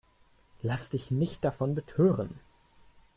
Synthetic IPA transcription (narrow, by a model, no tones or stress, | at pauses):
lasd̥ɪçnɪçt̚d̥afɔnbətʰøːʁən